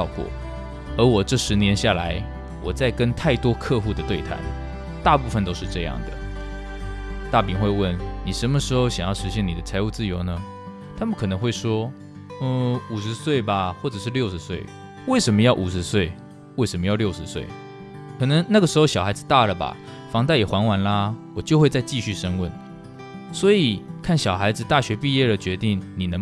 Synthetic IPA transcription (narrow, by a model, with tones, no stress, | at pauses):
ʊkwɔ̰˥˩ | ə˞˧˥wɔ˨˩ʈ͡ʂɤ˥˩ʂɻ̩˧˥njɛ˧˥nɕja˥˩la˧˦ɪ | wɔ˨˩t͡sa˥˩ɪkə˦˥nt̪ʰa˥˩ɪt̪wɔ˥kʰɤ˥˧xu˥˩d̪ə˩t̪we˥˧ɪt̪ʰa̰˨˩˦ɪ | t̪a˥˧pu˥˩fə˨nt̪o˥ʊʂɻ̩˥˧ʈ͡ʂɤ˥˧jɑ̰˥˨ŋd̪ə̰˩ | t̪a˥˩pi˧˥ŋxwe˥˧ɪwə˥˩nni˨˩ʂə˧˥nmə˧ʂɻ̩˧˥xo˥˧ʊɕjɑ˨˩ŋjɑ˥˩ʊʂɻ̩˧˥ɕjɛ˥˩ni˨˩d̪ə˦t͡sʰa˧˥ɪu˥˧t͡sɹ̩˥˩jo˧˥ʊnə˧˦ | t̪ʰa˥mə˨nkʰɤ˨˩nə˧˦ŋxwe˥˩ɪʂwɔ˥˧ | u˨˩ʂɻ̩˧˥swe˥˩ɪba˩xwɔ˥˩ʈ͡ʂɤ˨˩ʂɻ̩˥˧ljo˥˧ʊʂɻ̩˧˥˦swe˥˩ɪ | we˥˩ɪʂə˧˥mə˧jɑ˥˩ʊʔu˨˩ʂɻ̩˧˦swe˥˩ɪ | we˥˩ɪʂə˧˥nmə˧jɑ˥˧ʊljo˥˩ʊʂɻ̩˧˦swe˥˩ɪ | kʰɤ˨˩nə˧˥ŋna˥˩ɡə˩ʂɻ̩˧˥xo˥˩ɕjɑ˨˩xa˧˥ɪd͡z̩˨t̪a˥˩lə˩ba̰˨˩ | fɑ˧˥ŋt͡sa˥˩ɪjɛ˨˩xwa˧˥nwa˧˥nla˧wɔ˨˩t͡ɕjo˥˧ʊxwe˥˧ɪt͡sa˥˧ɪt͡ɕi˥˧ɕy˥˩ʂə˥ŋwə˥˩n | swɔ˧˥i˨˩kʰa˥˩nɕjɑ˨˩ʊxa˧˥ɪd͡zɹ̩˨˧t̪a˥˩ɕɥɛ˧˥pi˥˧jɛ˥˩lə˩t͡ɕɥɛ˧˥t̪i˥˩ŋni˨˩nə˧˥ŋ